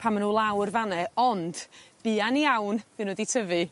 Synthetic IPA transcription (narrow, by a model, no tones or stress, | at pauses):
pʰamənuːlˠawrvanɛɔnd̥b̥ɨːaniawnvɨnwəditʰəvɨ